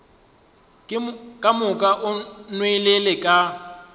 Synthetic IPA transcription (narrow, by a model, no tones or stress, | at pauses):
kʼamʊkʼaʔʊnwelelɪkʼa